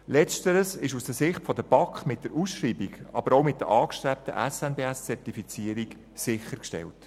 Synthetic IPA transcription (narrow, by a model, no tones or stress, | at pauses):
lɛt͡stəɾəsɪʃusd̥əsɪχtfɔdəb̥ɑkχmɪt̚d̥əɾusʃɾiːbiɡɑ̰bəɾoʊmɪt̚d̥əɾʔɑːkʃtɾɛp̚tə̰ʔæsɛnbeːæst͡sɛɾtifit͡siəɾik | sɪχəɾkʃtɛ̰lt